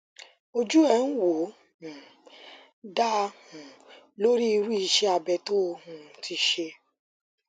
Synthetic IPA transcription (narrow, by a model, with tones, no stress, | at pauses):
o˧d͡ʒu˦ɛ˦˨n̩˦wo˨˦ | ũ˨ | da˦˧hũ˨ | lo˦ɾi˦i˧ɾu˦i˧ʃɛ˦a˧bɛ˧to˦˧hũ˨tʰi˧ʃe˧